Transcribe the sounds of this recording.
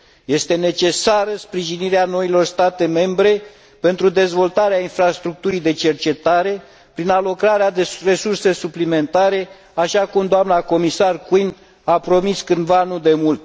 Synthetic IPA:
je̞st̪e̞ne̞t͡ʃe̞saɾəspɾiʒiniɾeano̞ilo̞rst̪at̪e̞me̞mbɾe̞ | pe̞nt̪ɾud̪e̞zvo̞lt̪aɾeainfɾast̪ɾuk̚t̪uɾid̪e̞t͡ʃe̞rt͡ʃe̞t̪aɾe̞ | pɾinalo̞kɾaɾead̪ere̞surse̞suplime̞nt̪aɾe̞ | aʃakumd̪oamnako̞misarkwin | apɾo̞miskɨnd̪vanud̪e̞mult̪̚

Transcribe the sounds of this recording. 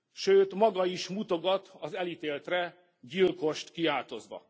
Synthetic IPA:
ʃøːt̪mɒɡɒiʃmut̪o̞ɡɒt̪ʰɒzɛlit̪eːlt̪rɛ | ɟilko̞ʃt̪kiaːlt̪o̞zʋɒ̰

